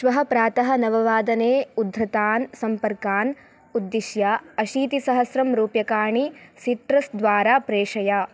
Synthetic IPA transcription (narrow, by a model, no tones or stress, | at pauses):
ʃʋɐɦɐpɾaːt̪ɐɦɐnɐʋɐʋaːd̪ɐneːud̪ʱɾɐt̪aːnsɐmpɐɾkaːn | ud̪ːiʃjaɐʃiːt̪isɐɦɐsɾɐmɾuːpjɐkaːɳit͡ʃit̪ɾɐsd̪ʋaːɾaːpɾeːʂɐjaː